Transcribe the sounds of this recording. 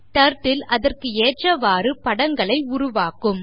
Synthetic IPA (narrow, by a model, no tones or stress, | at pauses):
ʈ̪ɐɾʈːɪlɐðɐrkɯeːʈrɐʋaːɾɯpɐɽɐŋɡɐɭɐɪʊɾʊʋaːkɯm